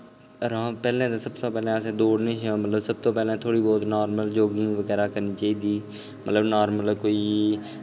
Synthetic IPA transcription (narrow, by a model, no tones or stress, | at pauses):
ɾãːpɛːlẽːt̪eːsəbt̪õːpɛːlẽːəsẽːd̪oːɽnĩːʃõːmət̪ləbsəb̚t̪õːpɛːlẽːt̪ʰoːɽiːbɔːt̪naːɾməld͡ʒoːɡĩːʋəɡɛːɾaːkəɾniːt͡ʃaːiːd̪iː | mət̪ləbnaːɾmələkoːiː